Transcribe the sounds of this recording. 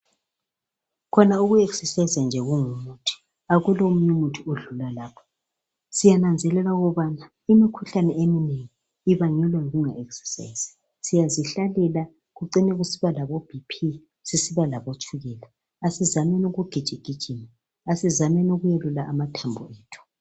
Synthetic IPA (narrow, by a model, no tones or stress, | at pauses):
kʰɔnauɣueksɛsajizand͡ʒʱɛɣuŋumutʰi̥ | aɣulom̩ɲumutʰuoɮulalaːpʰɔ̥ | sijanand͡zʱɛlɛlauɣɔβana | imikʰuɬanɛemineŋiː | βaɲɛlwɛŋɣuŋaʔeksɛ̥sa̰iz̥i̥ | sijaziɬalɛla | ɣuǀinɛɣusiβalaβob̥ʱipʰi | sisiβalaβot͡ʃʰʼuɣɛlaː | sizamɛnoɣuɡ̥ʱid̥ʒ̥ʱiɡ̥ʱid̥ʒ̥ʱini | asizamɛnoɣujɛlulaʔamatʰambʱṵeːtʰu̥